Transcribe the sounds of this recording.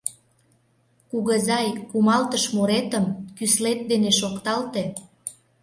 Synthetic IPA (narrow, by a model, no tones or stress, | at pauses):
kuɣəzɑjkumɑlt̪əʃmuɾet̪ə̆mkyslet̪̚d̪eneʃokt̪ɑlt̪e